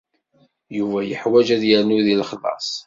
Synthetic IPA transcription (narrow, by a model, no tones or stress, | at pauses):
juvæjəħwæd͡ʒæðjəɾnuðilχðˤɑ̰sˤ